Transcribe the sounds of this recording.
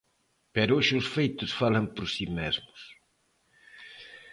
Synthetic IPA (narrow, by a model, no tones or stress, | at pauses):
pɛɾoʃɪʊsfejt̪ʊsfalɐmpoɾsimezmʊs